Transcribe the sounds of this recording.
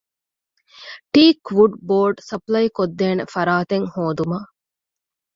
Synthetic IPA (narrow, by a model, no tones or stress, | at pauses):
ʈiːkʋuɖboːɾɖsɐplɐjkod̪ːeːnefɐɾaːt̪eŋhoːd̪umɐ